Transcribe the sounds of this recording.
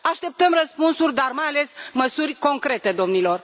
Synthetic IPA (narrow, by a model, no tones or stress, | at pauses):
aʃt̪e̞p̚t̪əmrəspunsurʲd̪armajale̞sməsurʲko̞ŋkɾe̞t̪e̞d̪o̞mnilo̞r